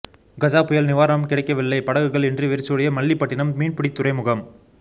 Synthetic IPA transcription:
ɡɐd͡ʒaːpʊjɐlnɪʋaːɾɐɐmkɪɽɐɪkːɐʋɪlːɐɪpɐɽɐɣɯɣɐɭɛndrɯʋɪɾɯt͡ʃːɯɽɐjɐmɐɭːiɪpːɐʈːɪnɐmmiːɳpɪɽɪt̪ːʊɾɐɪmʊɣɐm

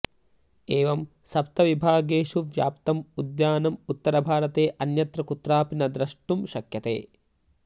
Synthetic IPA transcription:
eːʋɐm | sɐpt̪ɐʋibʱaːɡeːʃuʋja̰ːpt̪ɐmud̪jaːnɐmut̪ːɐɾɐbʱaːɾɐt̪eːʔɐnjɐt̪ɾɐkut̪ɾaːpinɐd̪ɾɐʂʈumʃɐkjɐt̪ḛː

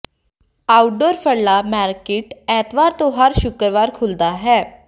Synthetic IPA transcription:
awɖoːɾfʰəɽlamaɾkeʈɛt̪ʋaɾt̪oɦaɾɕukɾʋaːɾkʰuld̪aɦɛ

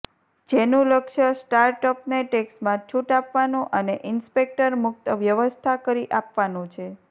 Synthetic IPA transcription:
d͡ʒenũləkʃəsʈaɾʈəpneʈeksmãt͡ʃʰuʈapʋanũʔəneʔɪnspek̚ʈəɾmʊk̚t̪əʋjəʋəst̪ʰakəɾiʔapʋanũt͡ʃʰe

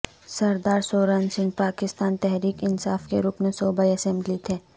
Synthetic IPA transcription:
sɐɾd̪aːɾsoːɾənsɪ̃ŋɡ̚paːkɪst̪aːnt̪ɛɦɾiːkɪnsaːfkeɾʊknsoːbaːiɐsɛ̃mblit̪ʰeː

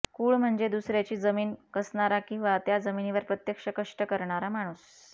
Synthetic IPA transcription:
kuːɭm̤əɳd͡zed̪usɾjat͡ɕiːd͡zəmiːnkəsɳaɾakĩw̃ʋat̪jad͡zəminiʋəɾpɾət̪jəkʂəkəʂʈəkəɾɳaɾam̤aɽ̃uːs

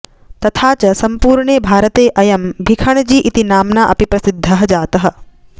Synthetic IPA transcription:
t̪ɐt̪ʰaːt͡ʃɐsɐmpuːɾɳeːbʱaːɾɐt̪eːʔɐjɐmbʱikʰɐɳd͡ʒiːʔit̪inaːmnaːʔɐ̰pipɾɐsid̪ʱːɐɦɐ̆d͡ʒaːt̪ɐɦɐ̆

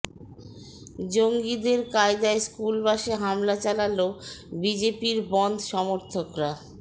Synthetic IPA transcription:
d͡ʑoŋɡid̪eɾkaed̪aeskulbaʃeɦamlat͡ɕalalobid͡ʑepiɾbɔnd̪ʱʃɔmoɾt̪ʰokɾa

